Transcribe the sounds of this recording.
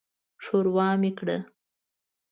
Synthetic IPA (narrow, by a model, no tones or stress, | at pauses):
ʂoɾwɑmekɽə